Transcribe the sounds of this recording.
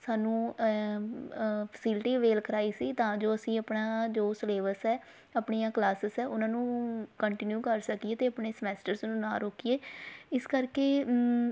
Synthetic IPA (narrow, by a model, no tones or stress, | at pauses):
saːnũː | pʰə̥siːlʈiːəʋeːlkəɾaːiːsiːt̪ãːd͡ʒoːəsĩːəpɳaːd͡ʒoːsleːʋəɾsɛː | əpɳijãːklaːsəsɛːʔʊnãːnũːkəɳʈɪnjuːkəɾsəkieːt̪eːəpɳeːsəmɛːsʈəɾsnũːnaːɾoːkieːɪskəɾkeː